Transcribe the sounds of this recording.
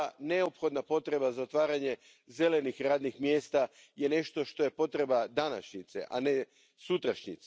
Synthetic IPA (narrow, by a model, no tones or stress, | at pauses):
ne̞opxo̞d̪napo̞t̪ɾe̞bazaot̪ʋaːɾaɲe̞ | ze̞le̞nixɾaːd̪nixmjeːst̪a | je̞ne̞ʃt̪o̞ʃt̪o̞je̞po̞t̪ɾe̞bad̪ana̰ʃɲit̪sḛʔa̰ne̞ | sut̪ɾaʃɲḭt̪s